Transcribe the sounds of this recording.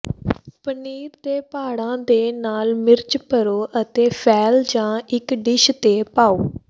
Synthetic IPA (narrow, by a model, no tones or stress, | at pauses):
pəniːɾd̪eːpaːɽãːd̪eːnaːlmɪɾt͡ʃpəɾoːʔət̪eːpʰɛːld͡ʒãːɪkɖɪʃt̪eːpaːoː